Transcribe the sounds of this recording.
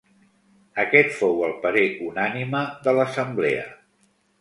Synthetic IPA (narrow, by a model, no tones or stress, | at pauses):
əkɛt̪fowəlˠpəɾeʔunaniməðələsəmbleə̰